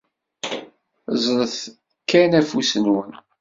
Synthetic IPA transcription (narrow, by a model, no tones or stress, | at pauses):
zˤɾəθ | kːænæfusənwən